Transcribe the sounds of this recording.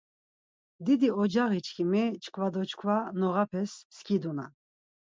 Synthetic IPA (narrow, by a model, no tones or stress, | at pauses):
d̪id̪iɔd͡ʒaɣit͡ʃʰkʰimɛt͡ʃʰkʰvad̪ɔt͡ʃʰkʰvanɔʁapʰɛsːkʰid̪una̰